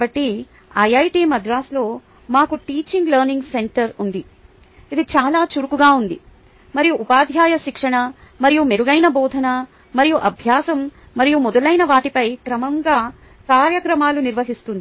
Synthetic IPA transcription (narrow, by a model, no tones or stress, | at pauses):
bɐʈːi | ɐjɐjʈiːmɐd̪ɾaːslo̞ː | maːkuʈiːt͡ʃiŋɡlɐɾniŋɡse̞ɳʈɐɾund̪i | id̪it͡ʃaːlaːt͡ʃuɾukuɡaːund̪i | mɐɾijuʔupaːd̪ʱjaːjɐʃikʂɐɳɐmɐɾijumeɾuɡɐjnɐbɔːd̪ʱɐnɐ | mɐɾijuʔɐbʱjaːsɐmː | ɐɾijumɔd̪ɐlɐjnɐʋaːʈipɐjkɾɐmɐŋɡaː | kaːɾjɐkɾɐmaːluniɾʋɐɦist̪und̪i